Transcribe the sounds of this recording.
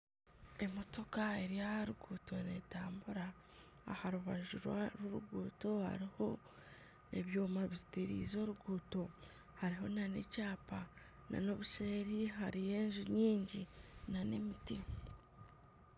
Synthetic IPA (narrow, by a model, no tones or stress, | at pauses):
e̞mo̞to̞kaeɾiaaɾuɡuːto̞ne̞taːmbuɾa̰ː | haɾuβaʒuɾwa̰ɾuɾuɡuːto̞ha̰ɾiho̞ | e̞̰βjo̞ːmaβizitiɾḭːzo̞ːɾuɡuːto̞ | haɾiɦo̞nanḛcaːpa | na̰no̞βuʃeːɾiɦaɾije̞ːɲʒuɲiːɲɟinanemiti